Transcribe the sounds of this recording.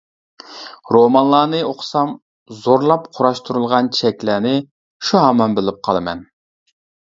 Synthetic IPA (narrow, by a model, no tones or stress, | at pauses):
ɾomɑnlˠɑːnɨoqʰsɑm | zoɾlˠɑpqʰʊɾɑʃt̪ʰuɾulˠʁɑnt͡ʃʰɛkʲlæːnɪ | ʃuɦɑmɑnbɪlɪp̚qʰɑlˠɨmɛ̰n